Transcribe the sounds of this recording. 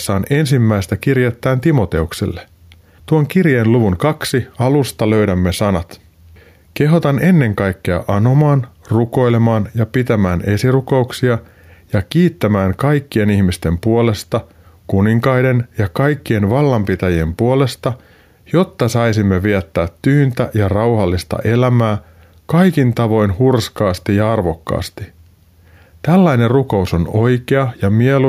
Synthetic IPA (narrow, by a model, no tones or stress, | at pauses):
sːɑːne̞nsimːæjst̪ækirjet̪ːæːnt̪imo̞t̪e̞uksḛlːe | t̪uoŋkirjeːnluʋuŋkɑksiɑlust̪ɑlø̞ɥdæmːe̞sɑnɑt̪ | ke̞ɦot̪ɑne̞nːe̞ŋkɑjkːe̞ɑ̰ʔɑno̞mɑːnruko̞jle̞mɑːnjɑpit̪æmæːne̞siruko̞uksiɑ | jɑkiːt̪ːæmæːŋkɑjkːie̞nihmist̪e̞mpuo̞le̞st̪ɑ | kuniŋkɑjde̞njɑkɑjkːie̞nʋɑlːɑmpit̪æjiempuole̞st̪ɑ | jo̞t̪ːɑsɑjsimːe̞ʋiæt̪ːæːt̪ːyːnt̪æjɑrɑwhɑlːist̪ɑ̰ʔe̞læmæː | kɑjkint̪ɑʋo̞jnhurskɑːst̪ijɑɑrʋo̞kːɑ̰ːst̪i | t̪ælːæjne̞rruko̞uso̞no̞jke̞ɑjɑmielu